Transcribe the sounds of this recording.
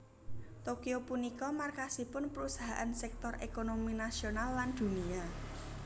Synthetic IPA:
t̪okiopunikɔmarkasipʊnpəɾusaɦa̰ʔansɛk̚t̪ɔrʔekonominasionalːand̪̥ṳnia

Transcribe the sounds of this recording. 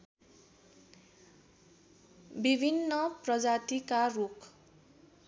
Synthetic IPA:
bibʱinːʌprʌd͡zat̪ikarukʰ

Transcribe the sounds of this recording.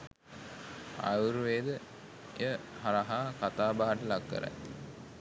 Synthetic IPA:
a̰juɾuʋeːd̪ə | jəɦaɾaɦaːkat̪aːbaːaʈəlakːə̰ɾa̰j

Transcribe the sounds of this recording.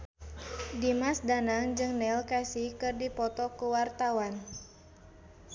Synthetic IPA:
dimasdanaŋd͡ʒɨŋnɛlkasikɨrdipɔt̪ɔkuwart̪awan

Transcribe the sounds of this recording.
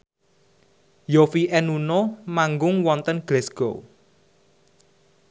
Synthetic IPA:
jofiʔɛnunomaŋɡʊŋwɔnt̪ənɡ̥lɛsɡ̥o

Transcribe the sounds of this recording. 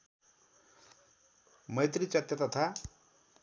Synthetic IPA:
mʌjt̪rit͡sʌt̪jat̪ʌt̪ʰa

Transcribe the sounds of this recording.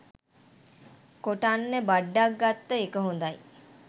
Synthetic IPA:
koʈanːəbaɖːak̚ɡat̪ːəekəɦõnd̪aj

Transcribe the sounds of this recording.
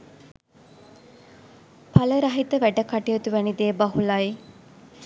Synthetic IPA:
pʰɐləɾɐɦit̪əʋæɖəkaʈijət̪uʋænid̪eːbɐɦulaj

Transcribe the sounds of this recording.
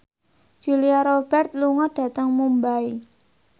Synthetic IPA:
d͡ʒ̥ṳliaɾob̥ɛrt̪̚luŋɔd̥ä̤t̪əŋmumbai

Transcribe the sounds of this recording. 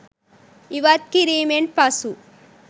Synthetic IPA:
iʋat̪̚kiɾiːmeɳʈ̚pasu

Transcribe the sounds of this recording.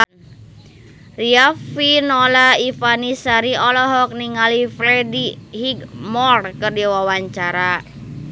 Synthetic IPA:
riafinɔlaifanisaɾiɔlɔɦɔk̚niŋalifɾɛdihiɡmɔrkɨrdiwawaɲt͡ʃaɾa

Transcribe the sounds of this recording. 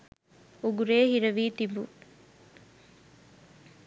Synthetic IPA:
uɡuɾeːɦiɾɐʋiːt̪ibu

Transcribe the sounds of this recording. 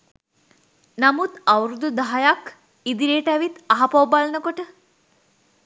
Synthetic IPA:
nɐmut̪ɐwɾud̪ud̪aɦajak | id̪iɾeːʈɐʋit̪aɦapɐwbalnəkoʈə

